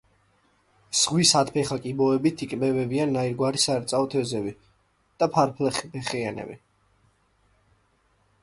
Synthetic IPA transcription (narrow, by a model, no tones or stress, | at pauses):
z̥ʁwisat̪pʰɛχakʼibɔɛbit̪ʰikʼmɛvɛbianːaiɾɡwaɾisaɛɾt̪sʼaɔt̪ʰɛzɛbi | d̪̥apʰaɾpʰlɛpɛχianɛ̰bḭ